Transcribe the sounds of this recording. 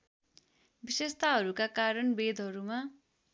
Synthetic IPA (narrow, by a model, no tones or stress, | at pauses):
bisest̪aɦʌɾukakaɾʌnbed̪ʱɦʌɾuma